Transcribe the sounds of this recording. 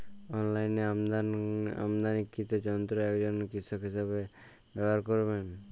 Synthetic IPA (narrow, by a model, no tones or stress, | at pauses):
ɔnlajneamd̪ana̰md̪anikːit̪ɔd͡ʒɔnt̪ɾɔɛkd͡ʒɔnkisɔkɦisabe | bɛbaɾkɔɾben